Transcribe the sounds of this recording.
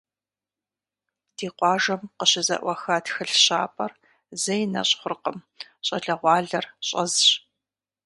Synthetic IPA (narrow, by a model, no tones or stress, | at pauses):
d̥iːqʷɑːʒɐmqəɕɪzɐ̰ʔʷɐxɐtxɨɬɕa̰ːpʼɐr | zɐjnɐ̰ɕʼχʷʊrqəm | ɕʼɐɮɐʁʷɑːɮɐrɕʼɐ̰zɕ